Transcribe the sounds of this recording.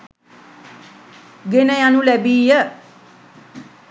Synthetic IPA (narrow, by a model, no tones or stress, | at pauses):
ɡenəjanũlɛbiːjə